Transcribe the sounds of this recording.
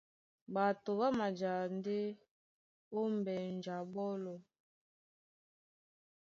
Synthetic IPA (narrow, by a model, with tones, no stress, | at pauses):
ba˨to˨ba˦ma˨d͡ʒa˨nde˦ | o˦m˦bɛ˨n˨d͡ʒa˨bɔ˦lɔ˨